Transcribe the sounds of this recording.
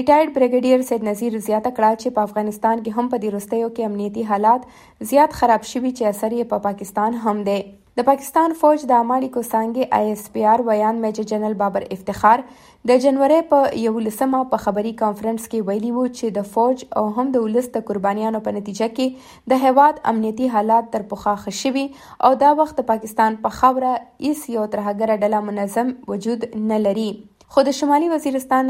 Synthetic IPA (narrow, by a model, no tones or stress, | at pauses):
ɾɪʈajɖ̚bɾɪɡaɖijaɾsed̪naziɾzjɑt̪akɽat͡ʃepəafɣɑnɪst̪ɑnkeɦampəd̪eɾust̪əjokeamnijat̪iɦɑlɑt̪ | zjɑt̪xaɾɑbʃəwit͡ʃeasaɾjepəpɑkɪst̪ɑnɦamd̪e | d̪̥əpɑkɪ̥st̪ɑnfod͡ʒd̪əamɑɽikosɑŋɡeʔa̰jspiɑɾwajɑnd̪med͡ʒad͡ʒanalbɑbaɾɪft̪ɪxɑɾ | d̪əd͡ʒanwaɾejpəjawulasəmapəxabaɾikɑnfɾanskewajəliwut͡ʃed̪əfad͡ʒa̰wɦamd̪əʊləsd̪əkʊɾbɑnijɑnopənat̪id͡ʒake | d̪əɦewɑd̪a̰mnijat̪iɦɑlɑt̪̚ːəɾpʊxaxəʃəwi | a̰wd̪ɑwaxt̪̚d̪əpɑkɪst̪ɑnpəxawɾaɪsjawat̪ɾaɦaɡaɾaɖalamʊnazamwʊd͡ʒud̪nalaɾi | xod̪əʃamɑliwaziɾɪst̪ɑn